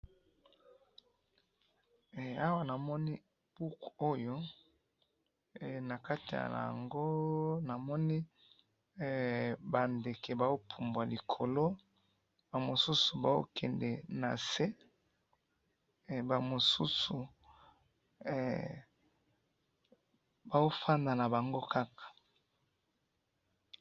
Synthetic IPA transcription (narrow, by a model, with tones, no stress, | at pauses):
a˦wa˦na˨mɔ˦ni˦ | b̥u˦ko˦jo˦˨ | na˨ka˦ti˨ja̰˨la̰˨ŋɡo˦na˨mɔ˦ni˦˨ | ba˨nde˨ke˨ba˨o˦pʰu˨mbwa˨li˨kʰo˨lo˦ | ba˨mo˨su˦su˨ba˨o̰˦kʰɛ˨ndɛ˨na˨se˦˨ | ba˨mo˨su˦su˨ | ba˨o˦fa˦nda˨na˨ba˨ŋɡo˦ka˦kḁ˨